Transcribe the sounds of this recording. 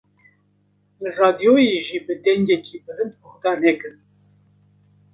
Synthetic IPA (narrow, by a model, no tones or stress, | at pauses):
lɨrɑːd̪ijoːjeʒiːbəd̪ɛŋɡɛkʰiːbəɾɨnd̪̚bəxd̪ɑːnɛkɨn